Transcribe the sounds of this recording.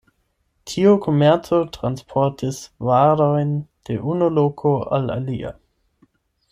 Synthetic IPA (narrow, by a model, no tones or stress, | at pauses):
tʰiokʰomɛɐt͡sotʁanspʰɔtisvaɾojnd̥eʔunolokʰoa̰la̰lia̰